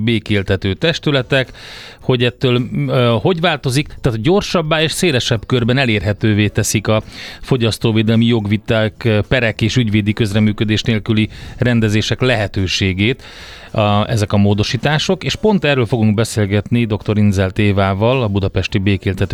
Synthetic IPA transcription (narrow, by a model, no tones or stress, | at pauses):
beːkeːlt̪ɛt̪øːt̪ɛʃt̪ylɛt̪ɛkho̞ɟɛt̪ːøːlho̞ɟʋvaːlt̪o̞zikt̪aːt̪oɟo̞rʃɒbːaːeːʃseːlɛʃɛbkørbɛnɛleːrɦɛt̪øːveːt̪ɛsikɒfo̞ɟɒst̪oːveːd̪ɛlmijo̞ɡʋit̪aːkpɛɾɛkeːʃyɟveːd̪ikø̞zrɛmyːkød̪eːʃneːlkylirɛnd̪ɛzeːʃɛklɛɦɛt̪øːʃeːɡeːt̪ | ɛzɛkɒmoːd̪o̞ʃiːt̪aːʃo̞keːʃpo̞nt̪ɛrːøːlfo̞ɡuŋɡbɛseːlɡɛt̪nid̪o̞kt̪o̞ɾinzɛlt̪eːvaːvɒlɒbud̪ɒpɛʃt̪ibeːkeːlt̪ɛt̪ø